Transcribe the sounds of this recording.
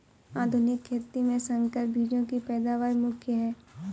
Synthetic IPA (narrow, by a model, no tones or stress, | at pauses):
aːd̪ʱʊnɪkʰːeːt̪imẽsə̃ŋkəɾ̚bʱiːd͡ʒõkipɛːd̪aːʋaːɾmʊkʰjəɦɛː